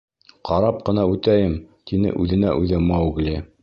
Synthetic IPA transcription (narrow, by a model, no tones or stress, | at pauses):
qʰɑɾɑp̚qɤ̆nɑʉt̪æjɘmt̪inɘ̰ʔʉðɘ̆næ̰ʔʉðɘmɑwɡlʲi